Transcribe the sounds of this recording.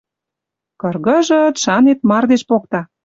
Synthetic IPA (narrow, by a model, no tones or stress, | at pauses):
kɤ̆rɣə̆ʒə̆t̪ʃɑnet̪̚mɑrd̪eʃpokt̪ɑ